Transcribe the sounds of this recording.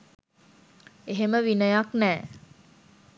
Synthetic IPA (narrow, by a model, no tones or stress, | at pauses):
eɦeməʋinəjaknɛː